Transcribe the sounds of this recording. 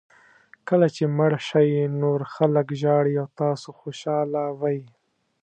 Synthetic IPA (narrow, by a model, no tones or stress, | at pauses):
kəlat͡ʃemaɽʃajnoɾxaləkʒɑɽiawt̪ɑsoxoʃɑlawɑji